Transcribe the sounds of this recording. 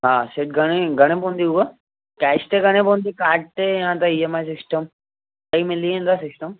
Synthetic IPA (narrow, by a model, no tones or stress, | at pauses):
ɦãːseʈ̚ɡʱəɽ̃eɡʱəɽ̃ẽpond̪iuʋə | kast̪eɡəɽ̃ẽpõnd̪ikaːʈ̚t̪eãt̪aiemajsisʈəm | kəimiliẽnd̪asisʈəm